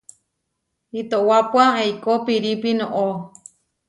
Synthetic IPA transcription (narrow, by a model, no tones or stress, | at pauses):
it̪oʔwapwaejkopiɾipinõʔo